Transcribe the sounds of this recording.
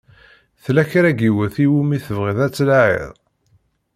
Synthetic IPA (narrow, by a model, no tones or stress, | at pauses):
θlæçɾæɡiwəθiwumiθəvʁəðæt͡sːlʕḛðˤ